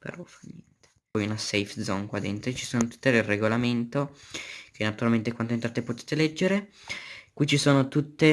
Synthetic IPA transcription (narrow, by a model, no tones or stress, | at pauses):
pḛɾɔfajɲɛnt̪e̥pɔjunasejfd̪zɔŋkwad̪ent̪ɾet͡ʃi̥soːnot̪u̥t̪ːed̪ereɡolament̪okʰenːat̪uɾalment̪ekwant̪oint̪ɾaːt̪epot̪e̥t̪elɛd͡ʒːeɾe | kwit͡ʃisoːnot̪ut̪ːe